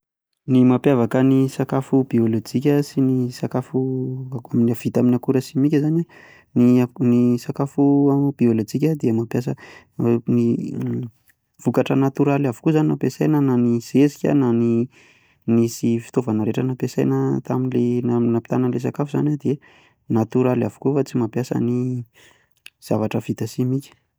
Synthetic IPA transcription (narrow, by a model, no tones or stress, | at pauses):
nimapjavakənisakafub̥iolot͡sikʲəsinisakafuaminiav̥it̪aminakuɾəsimikʲəzana | ninisakafuab̥iolat͡sikʲəd̪iəmapjas̬ə | ni | v̥ukaʈ͡ʂənat̪uɾalavu̥kuozaninapesajnənaniz̥esikʲə̰nani | nisifi̥t̪ovanəɾeʈ͡ʂənapesa̰jnət̪aminlenanapi̥t̪anənles̬akafuzanad̪ie | nat̪uɾala̰vu̥kufat͡simapjasə̰ni | z̥avaʈ͡ʂəv̥it̪əsimikʲə̥